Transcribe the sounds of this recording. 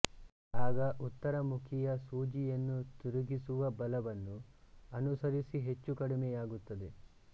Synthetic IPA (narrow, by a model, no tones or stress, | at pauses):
aːɡɐʔut̪ːɐɾɐmukʰijɐsuːd͡ʒijɐnːut̪uɾuɡisuʋɐbɐlɐʋɐnːuɐnusɐɾisiɦe̞t͡ʃːukɐɽimɛjaːɡut̪ːɐd̪e̞